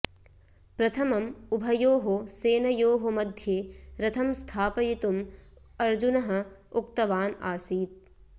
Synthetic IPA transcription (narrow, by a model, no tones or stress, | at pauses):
pɾɐt̪ʰɐmɐmubʱɐjoːɦoseːnɐjoːɦomɐd̪ʱjeːɾɐt̪ʰɐmst̪ʰaːpɐjit̪um | ɐɾd͡ʒunɐɦɐ̆ukt̪ɐʋaːnaːsiːt̪̚